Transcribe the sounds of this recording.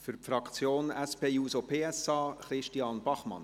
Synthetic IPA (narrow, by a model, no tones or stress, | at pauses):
fyɾpfɾɑkt͡sjoːnɛspeːjuːsopʰeːɛsɑːχɾɪʃtiɑːnb̥ɑχmɑ̰n